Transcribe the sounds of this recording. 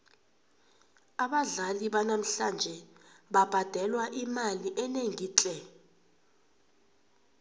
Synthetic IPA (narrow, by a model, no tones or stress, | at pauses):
aɓaɮaliɓanam̩ɬand͡ʒʱɛɓab̥ʱad̥ʱɛlwaʔimaliʔɛneŋiːt͡ɬʼɛ